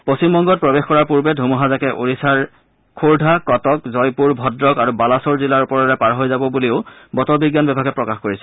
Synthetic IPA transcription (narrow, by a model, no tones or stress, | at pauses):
postimbɔŋɡɔt̚pɹɔbexkɔɹaɹpuɹbɛdʱumuɦazakɛʔoɹisaɹ | kʰuɹdʱakɔtɔkzɔjpuɹbʱɔdɹɔkaɹubalasɔɹzilaɹupɔɹaɹɛpaɹɦojzabɔbuliʊbɔtɔbiɡjanbɛbaɡɛpɹɔkaxkoɹisɛ̥